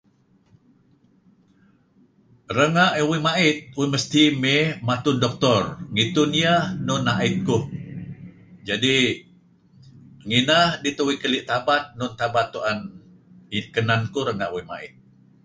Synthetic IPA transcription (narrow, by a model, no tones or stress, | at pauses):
rəŋaʔwimaɪt̪̚wiməst̪imemat̪ʊndɔk̚t̪ɔrŋit̪ʊnjahnʊnaʔɪt̪̚kʊh | d͡ʒadi | ŋinahdit̪əwikəliʔt̪abat̪̚nʊnt̪abat̪ːuʔan | kənankuɾəŋaʔwima̰ɪ̰t̪̚